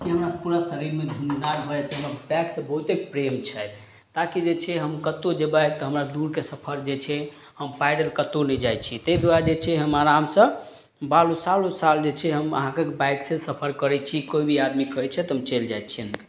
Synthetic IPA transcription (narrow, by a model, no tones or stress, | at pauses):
kiɦəmɾaspuɾasəɾiɾmed͡ʒ̪ʱunnaɾbʱəet͡ʃʰɛɦəmɾabɛksə̃bəɦut̪ek̚pɾemt͡ʃʰɛ | t̪akid͡ʒet͡ʃʰɛɦəmkət̪od͡ʒebajt̪ɔɦəmɾad̪uɾkesəpʰəɾd͡ʒet͡ʃʰɛ | həmpajɖəlkət̪onɛd͡ʒajt͡ʃʰit̪ɛd̪waɾd͡ʒet͡ʃʰɛɦəmaɾamsə̃ | balosalosald͡ʒet͡ʃʰɛɦəmə̰ɦãkekebajksesəpʰəɾkəɾɛt͡ʃʰikoibʱiad̪mikəɾt͡ʃʰɛt̪ɦəmt͡ʃeld͡ʒaj̪̚t͡ʃʰiənk